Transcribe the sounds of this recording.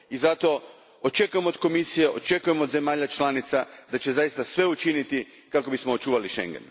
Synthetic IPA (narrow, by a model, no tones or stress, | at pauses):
izat̪o̞ | ot͡ʃe̞kuje̞mod̪ko̞misije̞ʔo̞̰t͡ʃe̞kuje̞mood̪ze̞maːʎat͡ʃlˠanit̪sad̪at͡ʃe̞zajist̪asʋe̞ut͡ʃinit̪i | kako̞bismoot͡ʃuːʋaliʃḛŋɡḛn